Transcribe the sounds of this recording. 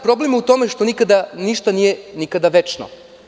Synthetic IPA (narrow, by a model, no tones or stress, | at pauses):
pɾo̞blemut̪o̞meʃt̪o̞nikad̪aniʃt̪anijenikad̪aʋet͡ʃno̰